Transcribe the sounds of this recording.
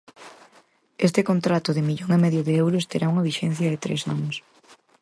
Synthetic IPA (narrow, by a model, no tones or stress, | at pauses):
est̪ɪkont̪ɾat̪ʊðɪmiʎoŋemɛðjʊðɪewɾʊst̪eɾauŋɐβiʃɛn̟θjɐðɪt̪ɾḛsanʊs